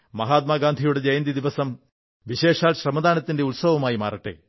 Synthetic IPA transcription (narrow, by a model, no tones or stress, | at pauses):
mɐɦaːt̪̚maːɡaːnd̪ʱijuɽe̞d͡ʑɐjɐnd̪id̪iʋɐsɐm | ʋiɕe̞ːʂaːlɕrɐmɐd̪aːnɐt̪ːinde̞ulsɐʋɐmaːjima̰ːrɐʈːɨ̰